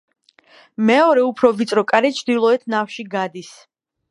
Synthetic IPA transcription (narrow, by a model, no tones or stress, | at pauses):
mɛɔɾɛupʰɾɔvit̪sʼɾɔkʼaɾɛt͡ʃʰd̪ilˠɔɛt̪ʰnafʃiɡad̪is